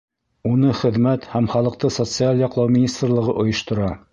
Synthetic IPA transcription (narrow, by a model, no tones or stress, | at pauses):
unɤχɘ̆ðmæt̪hæmχɑlˠɤ̆q̚t̪ɤsot̪sɨalʲˠjɑqlˠɑwmʲinʲist̪rlˠɤ̆ʁɤʔŏjɤ̆ʃt̪ŏɾɑ